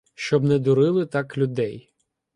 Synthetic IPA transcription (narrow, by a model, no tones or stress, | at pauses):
ʃt͡ʃɔbnɛd̪ʊɾɪlˠɪt̪ɑklʲʊd̪ɛj